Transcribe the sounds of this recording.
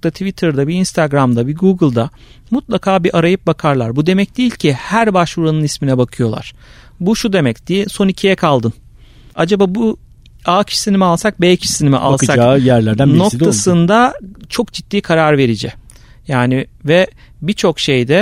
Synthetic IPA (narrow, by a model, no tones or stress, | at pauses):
t̪at̪ʰvit̪ʰɯɾd̪abiinst̪ʰaɡɾamd̪abiɡuɡɯlˠd̪a | mut̪lˠakʰaːbiʔaɾajɯp̚bakʰaɾlˠaɾbud̪e̞mɛc̚d̪ijilʲcʰihæɾbaʃuɾanɯnisminɛbakʰɯjo̞lˠa̰ɾ̥ | buʃud̪e̞mɛcd̪̥ijiso̞nicʰijɛkʰalˠd̪ɯn | ad͡ʒabaːbu | aːcʰi̥ʃsinimɛalˠsak̚bɛːcʰsinimɛ̰ʔa̰lˠsaajæɾlʲæɾd̪ænokt̪ʰasɯnd̪at͡ʃʰo̞kd͡ʒit̪ːiːkʰaɾaɾve̞ɾid͡ʒɛ | jaːnivɛ | bit͡ʃʰo̞kʃe̞jd̪ɛ